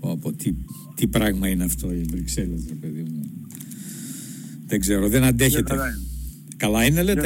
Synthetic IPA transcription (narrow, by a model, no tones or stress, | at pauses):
oɐpot̪i | t̪ipɾɐɣmɐineɐft̪o̞ivɾikse̞lezɾepeðimu | ðeŋɡze̞ɾoðenɐnd̪e̞çet̪e | kɐlɐinelet̪